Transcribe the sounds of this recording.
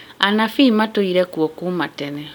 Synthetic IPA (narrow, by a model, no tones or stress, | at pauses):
anafimatoiɾɛkwɔkumatɛnɛ